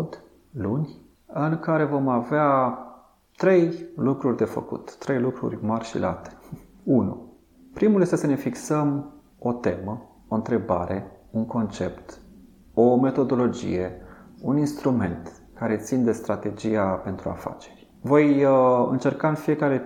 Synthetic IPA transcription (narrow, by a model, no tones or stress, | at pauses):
d̪ | lunʲ | ɨŋkaɾe̞vo̞mavea | t̪ɾe̞jlukɾurʲd̪e̞fə̰kṵt̪ːɾe̞jlukɾṵrʲmarʲʃḭlʔa̰t̪e̥ | unṵ | pɾimuljest̪esəne̞fiksəm | o̞t̪e̞mə | o̞ɨnt̪ɾe̞ba̰ɾʔe̞unko̞nt͡ʃe̞pt̪ | o̞me̞t̪o̞d̪o̞lo̞d͡ʒḭje̞uninst̪ɾume̞̰nt̪ | kaɾe̞t̪sind̪e̞st̪ɾat̪e̞d͡ʒijape̞nt̪ɾua̰fa̰t͡ʃe̞̥rʲ | vo̞jɨ̰nt͡ʃe̞rkaɨnfije̞kaɾe̞